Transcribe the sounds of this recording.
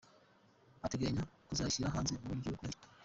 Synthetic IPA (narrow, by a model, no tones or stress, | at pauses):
ateɡeɲakuzaʃiɾaɦaːnzemoiɡokwetḁ